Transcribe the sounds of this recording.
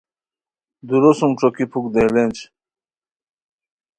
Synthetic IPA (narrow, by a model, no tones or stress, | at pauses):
d̪uɾosumʈ͡ʂokipʰukd̪elent͡ɕ